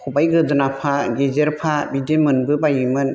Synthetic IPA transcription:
kʰɔbajɡɯdɯnapʰaɡezeɾpʰabidemɯnbɯbajimɯn

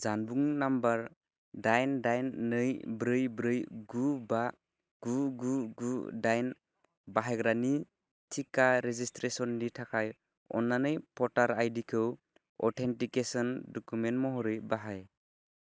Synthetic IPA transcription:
zanbuŋnambaɾ | dajndajnːɯjbɾɯjbɾɯjɡuba | ɡ̥uɡuɡudajn | baɦaɡɾani | tʰikaɾezistɾesɔnditʰakʰaj | ɔ̰nːanɯjpʰɔtaɾajdikʰɯw | ɔtʰentikesɔndɔkumentmɔɦɔɾɯjbaɦaj

